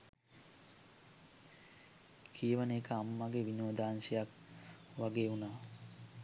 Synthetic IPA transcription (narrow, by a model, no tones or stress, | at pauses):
kʰiəʋəneːkəamːaɡeʋinoːd̪aːnsɐjak | ʋaɡeːunaː